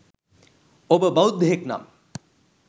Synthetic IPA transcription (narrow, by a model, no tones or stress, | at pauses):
obəbaud̪ːeɦekna̰m